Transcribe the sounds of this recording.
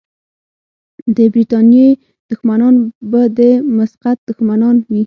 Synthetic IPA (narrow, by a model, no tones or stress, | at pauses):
d̪əbɾit̪ɑnje | d̪̥ʊxmanɑnbad̪əmʊsqat̪̚d̪ʊxmanɑnwi